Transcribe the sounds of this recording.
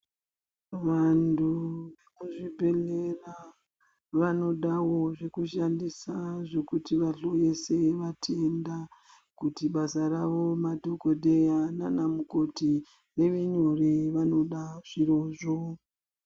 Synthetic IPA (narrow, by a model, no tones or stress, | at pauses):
ʋantʰuʋekuʐibʱe̞lera | ʋano̞ɗawo̞ʐe̞kuʃandisaʐe̞kutiʋaɬo̞je̞se̞ʋatʰenda | kutiɓasaɾaʋo̞madʱo̞ko̞dʱe̞jananamukoti | re̞ʋeɲoreʋano̞ɗaʐ̥iɾo̞ʐo